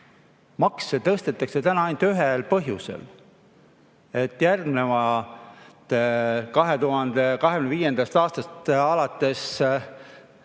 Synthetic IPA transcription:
mɑksːet̪ɤst̪et̪ːˑɑkse̞t̪ænɑɑjnd̪yɦelpɤɦjuse̞̰l | e̞t̪ːjærɡmnevɑ | t̪kɑɦe̞t̪uɦɑnd̪̥ekɑɦekyneviːje̞nd̪̥ɑst̪ɑːst̪ɑst̪ɑlɑt̪ːˑe̞s

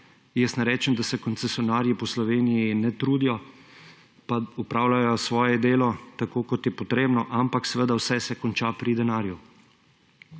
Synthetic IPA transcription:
jɛst̪naɾɛːt͡ʃɛnd̪asɛkɔnt̪sɛsjɔnaːɾjipɔslɔʋeːnijinɛt̪ɾuːd̪ijɔ | paupɾaːwlajɔsʋɔːjɛd̪eːlɔt̪akoːkɔt̪jɛpɔt̪ɾeːbnɔʔampaksɛʋəd̪awsɛsɛkɔnt͡ʃapɾid̪ɛnaːɾju

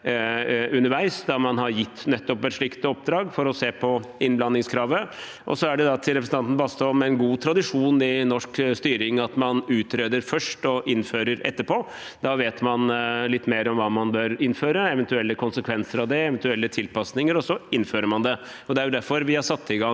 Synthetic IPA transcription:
ʉnːəɾʋæɪsd̪ɑmɑnɦɑɾjɪt̪ːnɛt̪ːɔpɛt̪ʂɭɪkt̪ɔp̚d̪ɾɑːɡfɔɾɔseːpʰɔɪnblɑnːɪŋskʰɾɑːʋə | ʔɔ̰sɔæɖɛd̪ɑt̪ʰɪlɾɛpɾəsn̩ɑnn̩bɑːst̪oːmɛɛnɡuːt̪ʰɾɑd̪ɪʂuːnɪnɔʂkst̪yːɾɪŋɑt̪mɑnʉːt̪ɾeːd̪əɾfœʂʈɔʔɪnːføːɾəɾɛ̰t̪ːəpʰoː | d̪ɑʋeːt̪mɑnlɪt̪ːmeːɾɔmʋɑːmɑnbøːɾɪnføːɾəɛʋɛnt̪ʉɛlːəkʊnsəkʰʋɛnsəɾɑʋd̪ɛɛʋɛnt̪ʉɛlːət̪ʰɪlpɑsnɪŋəɾɔsɔɪnføːɾəmɑnd̪ɛ | ɔd̪ɛæɾjʊd̪æɾfɔɾʋɪhɑʂɑt̪ːɪɡɑ

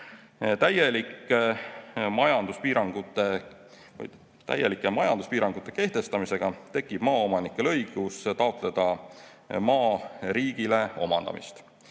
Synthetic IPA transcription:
t̪æjelikːˑe | mɑjɑnd̪̥uspiːɾɑŋɡ̥ut̪ːˑe̞ | vɯ̰j | t̪æ̰jelikːˑemɑjɑnd̪̥uspiːɾɑŋɡ̥ut̪ːˑe̞ke̞ht̪e̞st̪ɑmise̞ɡ̥ɑt̪e̞kːˑib̥mɑːo̞mɑnikːˑe̞lɤjɡ̥ust̪ɑo̞t̪ˑle̞d̪̥ɑ | mɑːɾiːɡ̥ile̞o̞̰mɑnd̪̥ɑ̰mḭst̪

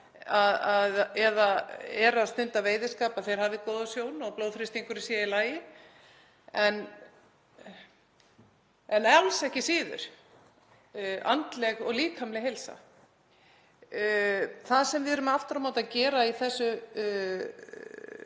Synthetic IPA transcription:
aðaðɛðaɛɾaðst̪ʏnt̪aveːjðɪskaːpaðθejɾ̥havðɪkɔːðasjoːwnɔɣploːwðfɾɪst̪iŋkʏɾisiːailaːjɪ | ɛn | ɛnɛawlsɛhcɪsiːðʏ̰ɾ̥ | a̰nt̪lɛɣɔɣliːkʰamlɪɦejlsa̰ | θaðsɛmvɪðɾʏmaft̪ʏɾamaːwt̪acɛːɾaiθɛsːʏ

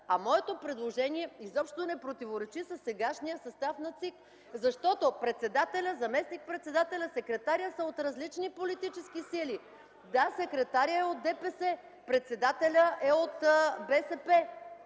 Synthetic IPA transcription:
ɐmɔɛt̪opɾɛd̪lˠoʒɛniɛizɔpʃt̪onɛpɾot̪ivoɾɛt͡ʃisɐsːɛɡaʃnijəsɐst̪afnɐt̪sik | zɐʃt̪ɔt̪opɾɛt̪sɛd̪at̪ɛlʲəzɐmɛsnik̚pɾɛt̪sɛd̪at̪ɛlʲəsɛkɾɛt̪aɾʲjəsəot̪ɾɐzlit͡ʃnipolit̪it͡ʃɛskisili | d̪asɛkɾɛt̪aɾiəɛod̪̚d̪ɛpɛsɛ | pɾɛt̪sɛd̪at̪ɛlʲəʔɛot̪bɛsɛpɛ

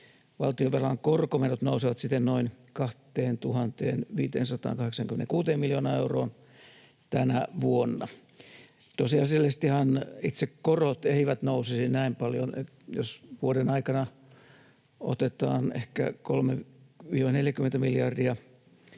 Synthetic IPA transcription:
ʋɑlt̪ioʋerɑŋkorkomerot̪nousiʋɑt̪sit̪ːennoin | kɑht̪eːnt̪uhɑnt̪ḛːnʋiːt̪eːnsɑt̪ɑ̰ːŋkɑheksɑŋkymenḛŋkuːt̪eːmmiljoːnɑːeuroːn | t̪ænæʋuonːɑ | t̪osiɑselːest̪ihɑnit̪sekkorot̪eiʋæt̪nousisinnæimpɑljone | jo̰sʋuoɾenɑikɑnɑ | o̰t̪et̪ɑ̰ːnḛhkæ̰kolmeʋiːʋɑneljækyment̪æmiljɑrdiɑ

